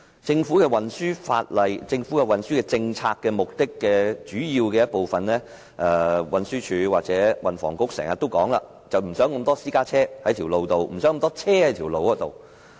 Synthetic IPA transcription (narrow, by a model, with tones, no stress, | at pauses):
t͡sɪ˧ŋfuː˨˥kɛ˧wɐ˨nsyː˥fa̰ː˧t̚lɐ˨jt͡sɪ˧ŋfu˨˥kɛ˧wɐ˨nsyː˥kɛ˧t͡sɪ˧ŋt͡sʰaː˧kːɛː˧mʊ˨k̚t̪ɪ˥kːɛː˧t͡ʃyː˨˥jiː˧wkɛː˧jɐ˥t̚po˨wfɐ˨nlɛː˥ | ʔɛː˧wɐ˨nsyː˥t͡ʃʰyː˨˧waː˨t̚t͡sɛː˨˥wɐ˨nfɔ̰ː˨˩ŋkʊ˥k̚sɛ̰ː˨˩ŋjɐ˨t̪o˥wkɔ̰ː˨˥ŋla̰ː˧ | t͡sɐ˨wm̩˨˩sœː˨˥ŋkə˧mt̪ɔː˥siː˥kaː˥t͡sʰɛː˥hɐ˨˥jt̪ʰiː˨˩wlo˨wt̪o˨wm̩˨˩sœ˨˥ŋkmnt̪ɔː˥t͡sʰɛː˥hɐ˨˥jt̪ʰiː˨˩wlo˨wkɔː˨˥t̪o˨w